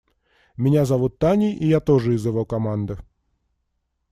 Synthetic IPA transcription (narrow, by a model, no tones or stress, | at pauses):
mʲɪnʲazɐʋut̪ːanʲiʔijat̪oʐɨɪzjɪʋowkɐmand̪ɨ